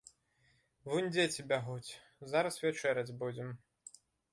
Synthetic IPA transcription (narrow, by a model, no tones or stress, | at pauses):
vunʲd͡zʲet͡sʲibʲaɣut͡sʲ | zaɾɐsvʲɛt͡ʂɛɾɐd͡zʲbud͡zʲɛm